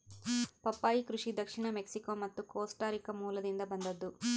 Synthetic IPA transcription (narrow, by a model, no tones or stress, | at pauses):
pɐpːaːjikɾuʂid̪ɐkʂiɳɐmeksikoːmɐt̪ːukoːsʈaːɾikɐmuːlɐd̪ind̪ɐbɐnd̪ɐd̪ːu